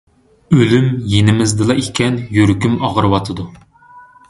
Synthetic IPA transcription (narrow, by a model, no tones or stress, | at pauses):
ølymjenɪmɪzd̪ɨlˠɑʔekʲʰɛnjøɾkʲymɑʁəɾwɑt̪ʰɨd̪u